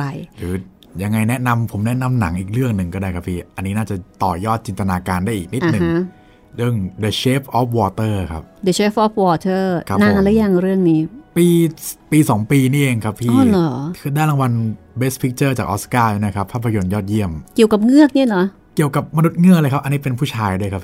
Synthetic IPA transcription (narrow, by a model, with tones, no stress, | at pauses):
pa˧jɾɯː˩˦ | ja˧ŋːa˧jnɛ˦˥na˧mpʰo˩˦mnɛ˦˥na˧mna˩˦ŋʔiː˨˩k̚ɾɯ˥˩əŋnɯ˨˩ŋkɔː˥˩daː˥˩kʰa˦˥pʰːiː˥˩ʔa˧nːiː˦naː˥˩t͡ɕa˨˩t̪ɔː˨˩jɔː˥˩t̪̚t͡ɕi˧nt̪a˧naː˧kaː˧ndaː˥˩ʔiː˨˩k̚ni˦˥t̪̚ːnɯ˨ŋ˦ | ɾɯ˥˩əŋdə˧˩t͡ɕʰeː˦˥pʔɔː˦˥p̚wɔː˧t̪ɤː˥˩kʰa̰˦˥p̚də˧t͡ɕʰeː˦˥fʔɔ˦˥p̚wɔː˧t̪ʰɤː˥˩kʰa˦˥na˧ŋʔla˦˥ja˧˩ŋɾɯ˥˩əŋniː˦˥piː˧piː˧sɔː˩˦ŋpiː˧niː˥˩ʔeː˧ŋkʰa˦˥pʰːiː˥˩ɔ˧˩lɔː˩˦kʰɯː˧daː˥˩nla˧ŋwa˧n | be˦˥spʰi˦˥k̚t͡ɕɤː˥˩t͡ɕaː˨˩k̚ʔɔ̰ː˦˥skaː˥˩ja˧˥˩na˦˥kʰa˦˥pʰːaː˥˩pʰːa˧jo˧njɔː˥˩t̪̚ji˥˩əmki˨˩əwka˨˩p̚ŋɯ˥˩ək̚ni˥˩˨lɔ˨˩˦ | ki˨˩əwka˨˩p̚ma˧nu˦˥t̪̚ŋɯ˥˩ələː˧jkʰa˦˥p̚ʔa˧nːiː˦˥pe˧npʰuː˥˩t͡ɕʰaː˧jduː˥˧jkʰa˦˥pʰː